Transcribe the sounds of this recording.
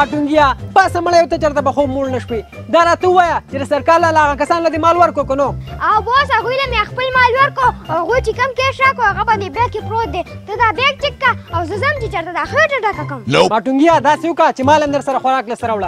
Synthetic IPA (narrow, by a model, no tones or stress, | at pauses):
maʈuŋɡijapasamaɳajwt̪at͡ʃaɾt̪abaxob̚mulnaʃwi | d̪ɑɾɑt̪auwajat͡ʃed̪asaɾkɑːɾlalaaɣakasɑnlad̪emɑlwaɾkokonoawbosaɣujlamjaxpəlmaːlwaɾkoaaɣujt͡ʃekəmkeʃakoaɣaband̪ebekːepɾot̪̚d̪e | t̪əd̪abek̚t͡ʃɪkːaawzəzəmt͡ʃet͡ʃaɾt̪ad̪axeʈəɖakakəmlomaʈuŋɡijad̪ɑsewʊkat͡ʃemɑlamd̪əɾsaɾaxwaɾɑːklasaɾawla